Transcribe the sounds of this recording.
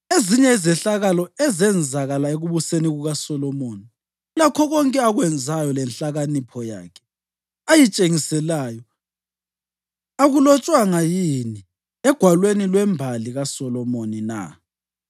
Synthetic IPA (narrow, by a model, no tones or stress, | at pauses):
eziɲɛizɛɬaɣalɔɛzɛnd͡zʱaɣalaeɣuβuseniɣuɣasɔlɔmoːni | lakʰɔɣɔŋkʼɛaɣwɛnd͡zʱajɔlɛnɬaɣanipʰɔja̰ːkʰɛ̥ | ajit͡ʃʼeŋisɛlaːjɔ | aɣulɔt͡ʃʼwaŋajini | ɛɡ̥ʱwalwenilwɛmbʱaliɣasɔlɔmonina̰